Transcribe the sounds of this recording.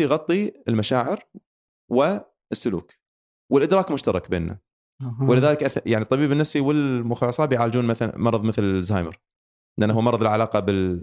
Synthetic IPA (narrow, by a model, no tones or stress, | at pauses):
ijɣɑt̪ˤːiɪlmaʃaːʕɪɾ | wɪ | əsːʊlṵːk | wɪlʔɪd̪ɾɑːkmʊʃt̪ɑɾˤɑkbeːnːa̰ | wlɪðaːlɪkʔajaʕnit̪ˤːɑbiːbɪnːafsiwɪlmʊxɑlːɑsˤɑːbjʕaːld͡ʒuːnmaθal̰mɑɾˤɑðˤmɪθlzaːjmə̰ɾ | ʔɪnʔanaʊwːmɑɾˤɑðˤəlʕalɑːqɑbɪl